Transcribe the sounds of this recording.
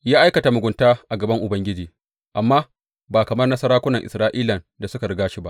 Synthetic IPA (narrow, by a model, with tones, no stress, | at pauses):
jaː˦ʔa˦jkɐ˨ta˨mʊ˨ɡʷʊ˨ntaː˦ʔa˨ɡɐ˨bɐ˦ŋʔʊ˨bɐ˦ŋɡʲɪ˦d͡ʒiː˨ | ʔa˨mːaː˦ | baː˨kɐ˨mɐ˦rnɐ˦sɐ˦ɾaː˦kʷʊ˦nɐ˨ŋʔɪ˨sɾaː˦ʔiː˦lɐ˨n | da˨sʊ˦ka˨ɽɪ˦ɡaː˦ʃi˨ba̰˦ʔ